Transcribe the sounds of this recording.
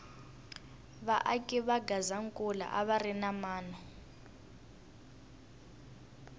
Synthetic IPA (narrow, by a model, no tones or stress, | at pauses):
βaʔakʼiβaɡazaŋkʼula̰ʔaβarinamaːnɔ